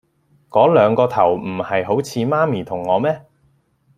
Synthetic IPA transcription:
kɔː˨˥lœː˨˧ŋkɔː˧t̪ʰɐ˨˩wm̩˨˩hɐ˨jɦo˨˥wt͡sʰiː˨˧maː˥miː˨˩t̪ʰʊ˨˩ŋːɔː˨˧mɛː˥

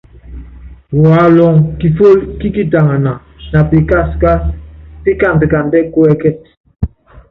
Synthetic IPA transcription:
wa˨˦lɔ˦˨ŋki˨fo˦lki˦ki˦ta˨ŋa˨na˨ | na˨pi˨ka˦ska˦pi˦ka˦˨ndə˨ka˨ndɛ˦ku˦ɛ˦kɛ˦t̚

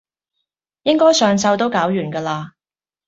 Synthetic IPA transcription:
jɪ˥ŋkɔː˥jsœː˨ŋt͡sɐ˧wt̪o˥wkaː˨˥wjyː˨˩nkɐː˧laː˧

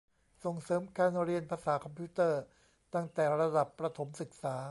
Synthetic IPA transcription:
so˨˩ŋsɤː˩˦mkaː˧nɾi˧ənpʰaː˧saː˩˦kʰɔ˧mpʰiː˦˥t̪ɤː˥˩ | t̪a˥˩ŋt̪ɛː˨˩ɾa˧da˨˩pːɾa˧t̪ʰo˩˦msɯ˨˩k̚saː˩˦

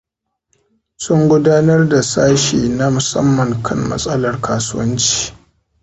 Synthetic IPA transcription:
sʊ˦ŋɡʷʊ˦daː˦nɐ˦rda˨saː˦ʃiː˨na˦mʊ˨sɐ̰˦mːɐ˨ŋkʰɐ˦mːɐ̰˦sʼɐ˦lɐ˨rkaː˨sʊ˦wɐ˦nt͡ʃi̥ː˨

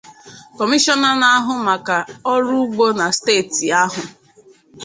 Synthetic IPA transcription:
kɔ˨mi˦ʃɔ˦na˦na˦a˦ɦʊ˨ma˨ka˨ɔ˦ɾu˦ɡ͡bo˦na˨steː˦˨ti˨a˦ɦʊ˨

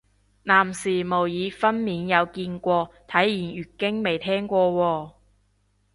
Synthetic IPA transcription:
naː˨˩msiː˨˩mo˨˩wjiː˨˧fɐ˥nmiː˨˧njɐ˨˧wkiː˧nkʷɔː˧t̪ʰɐ˨˥jjiː˨˩njyː˨˩kɪ˥ŋme˨jt̪ʰɛː˥ŋkʷɔː˧wɔː˧

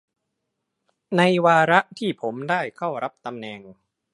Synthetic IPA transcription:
na˧jwaː˧ɾa˦˥ʔt̪ʰiː˥˩pʰo˩˦mdaː˥˩jkʰa˥˩wɾa˦˥p̚t̪a˧mnɛː˧ŋ

